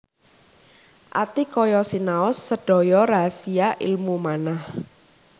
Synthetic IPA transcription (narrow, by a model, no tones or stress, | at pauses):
ʔa̰t̪ikɔjɔsinaʊsːəɖ̥ɔ̤jɔɾasiaʔḭlmumanah